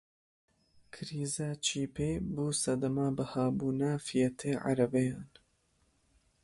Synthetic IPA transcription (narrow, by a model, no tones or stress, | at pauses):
kʰɨɾiːzaːt͡ʃʰiːpʰeːbuːsɐd̪ɐmaːbɐhaːbuːnafijɛt̪ʰeːʕa̰ɾɐbejaːn